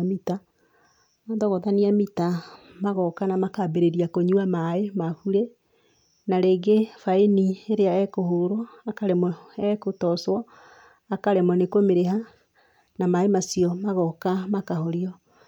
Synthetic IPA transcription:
mita | adɔɣɔðaniamita | maɣɔkanamakabeɾeɾiakoɲuamaemafuɾe | naɾeːɡefaenieɾeaɛkohoɾɔakaɾɛmɔɛkotɔswɔ | akaɾɛmɔnekomeɾeɦa | namaemasiɔmaɣɔkamakaɦɔɾiɔ

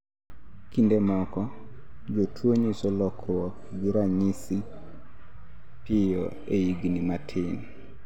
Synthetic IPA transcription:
kindemɔkɔ | d͡ʒotʰwoɲisɔlɔkʰwɔkd͡ʒuɾaɲisi | pɪjɔ | eiɡnimatʰɪn

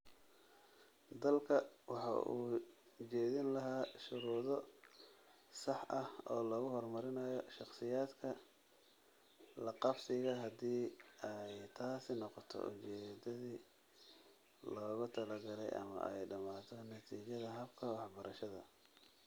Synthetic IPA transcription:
d̪ɐlkʰɐwɑħɑ̰ʔuː | t͡ʃɛːðɪnlɐɦaːʃʊɾuːðɔ | sɑħʔɐhɔːlɔːɣʊhɔrmɐɾɪnɐjɔʃɑqsɪjaːd̪kʰɐ | lɐqɑfsɪɣɐɦɐd̪iːɛjt̪ʰaːsɪnɔqɔt̪ʰɔ̰ʔʊ̰t͡ʃɛːd̪ɐðiː | lɔːɣʊt̪ʰɐlɐɡɐlɛjɐ̰mɐ̰ʔɛjɖɐmaːt̪ʰɔnɐt̪ʰiːt͡ʃɐðɐɦɐbkʰɐwɑħbɐɾɐʃɐðɐ̰

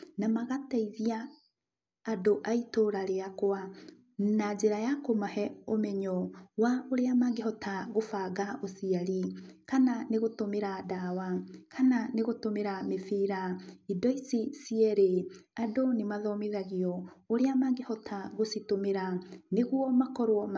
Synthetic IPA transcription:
namaɣataiðiaː | doʔaitoɾaɾeakwa | nad͡ʑeɾajakomahɛomɛɲɔwaoɾeamaɡehɔtʰaɣofaːɣaʔosiaɾikananeɣotomeɾadawakʰananeɣotomeɾamefiːɾaidɔisisiɛɾeadonemaðɔmeðaɣiɔoɾeamaɡehɔtʰaɣositomeɾaneɣwɔmakɔɾwɔ

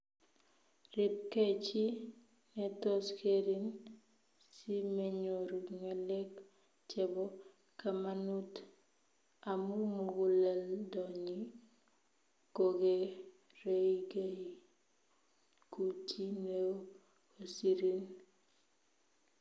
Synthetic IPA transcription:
rip̚ket͡ʃi | netoskeɾin | simeɲoɾuŋalek | t͡ʃɛbo | kamanut | amumuɡuleldɔɲi | koɡe | reɡeji | kut͡ʃine | osiɾin

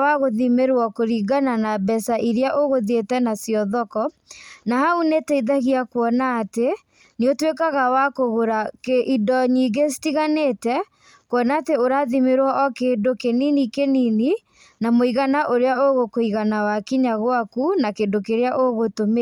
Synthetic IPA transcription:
waɣoðimeɾwɔkoɾiɡananabɛsaʔiɾeaʔoɣoðetɛnasjɔðɔkɔnaɦaunetɛiðaɣiakwɔnaːte | neotwekaɣawakoɣoɾakeʔidɔɲiɡesi̥tiɣanetɛ | kwɔnaːteoɾaðimeɾwɔʔɔkeːndokeninikenini | namoiɣanaʔoɾeaoɣokoiɣanawakiɲaɣwakunakeːndokeɾeaʔoɣotome

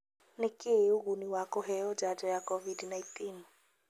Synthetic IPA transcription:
nekʼɪuɣuniwakʼɔɦɛɔd͡ʒad͡ʒɔjakɔvidnaintʰʼin

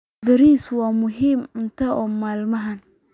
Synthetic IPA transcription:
bɪɾiːswaːmʊɦiːmʊnt̪ʰɐʔɔːmaːlmɐɦɐn

